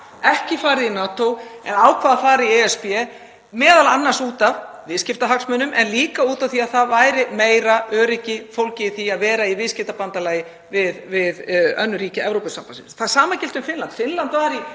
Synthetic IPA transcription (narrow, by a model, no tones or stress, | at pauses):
ɛhcɪfaːɾɪinaːt̪owɛ̰naːwkʰvaːðafaːɾiɛɛspjɛ | mɛːðalanːaɾ̥suːt̪av | vɪːscɪft̪aɦaksmœnʏmʔɛnliːkauːt̪awθiaðθaðvaːjɾɪmeːjɾaœːɾɪcɪfowlcɪθiaðvɛːɾaivɪːðscɪft̪apant̪alaːjɪ | vɪðvɪðœ̰nːʏɾiːcɪɛvɾowpʏsampasɪnθaðsaːmacɪlt̪ʏmfɪnlant̪fɪnlant̪vaːɾi